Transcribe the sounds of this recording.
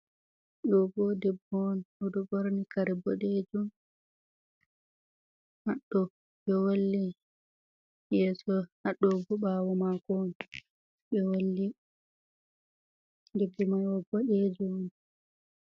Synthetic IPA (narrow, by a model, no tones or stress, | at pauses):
ɗɔbɔdɛbːɔnʔɔɗɔboɾnikaɾɛbɔɗed͡ʒum | maɗːɔ | ɓɛwolːi | jɛsɔhaɗːɔbɔbawɔmakɔn | ɓɛwolːi | dɛbːumaɔbɔɗed͡ʒɔn